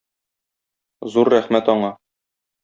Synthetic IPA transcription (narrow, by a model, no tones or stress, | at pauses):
zuɾːæχmæt̪ɒɴɑ